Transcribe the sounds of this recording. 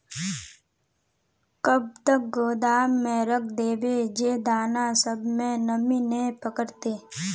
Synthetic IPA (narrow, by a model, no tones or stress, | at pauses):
kəb̚t̪ək̚ɡoːd̪aːmːẽɾək̚ʰd̪eːbed͡ʒeːd̪aːnasəbmẽnəminepəkəɾt̪eː